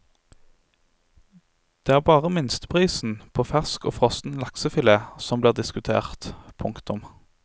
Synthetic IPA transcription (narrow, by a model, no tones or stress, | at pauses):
d̪̥eːæːʁbɑːʁəmɪnst̪ə̥pʰʁiːsn̩pʰoːfæʁsko̰ːfʁɔst̪n̩lɑksəfɪleːsɔmbliːʁd̪ɪskʉt̪ʰḛːʁt̪pʰʊŋkt̪ʊm